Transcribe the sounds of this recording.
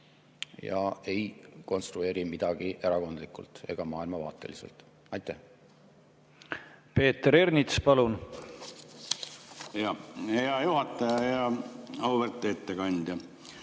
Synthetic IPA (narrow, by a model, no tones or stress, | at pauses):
jɑ̰e̞jko̞nst̪ɾue̞ːɾimid̪̥ɑɡ̥iʔe̞ɾɑko̞nd̪likˑṵlt̪e̞̰ɡ̥ɑmɑːilmɑvɑ̰ːt̪ːˑe̞li̥se̞̰lt̪ˑ | ɑjt̪ːˑæh | pe̞ːt̪ːeɾe̞rnit̪spɑlun | eɑheɑjuhɑt̪ːˑɑjɑjɑɑuveɾt̪ːˑeet̪ːekɑnʲd̪̥jɑ